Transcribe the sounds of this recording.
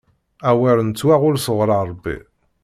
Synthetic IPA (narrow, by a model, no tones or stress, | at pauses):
æwæɾnt͡sːwæʁʊlsəʁɾˤɑɾˤbːḭ